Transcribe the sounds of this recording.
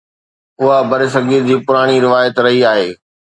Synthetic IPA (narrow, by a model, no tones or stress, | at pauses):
ʊɦabʱɐɾes̬ɐɡʱiːɾd͡ʑiːpʊɾaːɽ̃iɾɪʋaːjət̪ɾɐɦiaːɦeː